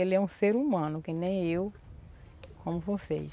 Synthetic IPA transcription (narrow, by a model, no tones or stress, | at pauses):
elɛũseɾumɐ̃nʊkɪnẽj̃ew | kʰõmʊvosḛ